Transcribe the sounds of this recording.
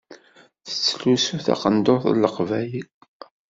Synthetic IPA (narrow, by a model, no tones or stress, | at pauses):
θə̥t͡sːlusuθa̰qənd̪oθlːəqvæji